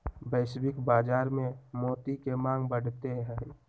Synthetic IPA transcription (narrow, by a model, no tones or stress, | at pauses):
bəɪʃbɪkbaːd͡ʒaːɾmẽmoːt̪ikemãːŋɡbəɽ̤t̪eɦɛ̃